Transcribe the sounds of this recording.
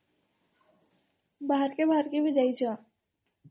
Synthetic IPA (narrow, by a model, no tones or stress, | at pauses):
baːəɾkebaːəɾkibɪd͡ʒaid͡ʒaː